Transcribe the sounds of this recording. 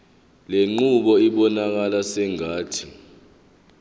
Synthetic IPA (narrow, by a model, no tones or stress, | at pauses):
leŋ͡ǃuɓɔiɓɔnak̬alasɛŋaːtʰi